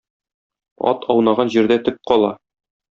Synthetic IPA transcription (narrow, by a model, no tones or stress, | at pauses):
ɒ̰t̪ʰɒwnɑʁɑnʑiɾd̪æt̪ɵp̚qɒlˠɑ